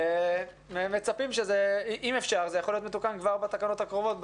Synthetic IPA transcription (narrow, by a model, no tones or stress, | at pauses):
memet͡sapimʃezeiʔimefʃaʁzejaχo̞lijotmet̪ukankvaʁbat̪akano̞t̪hakʁovo̞t̪̚b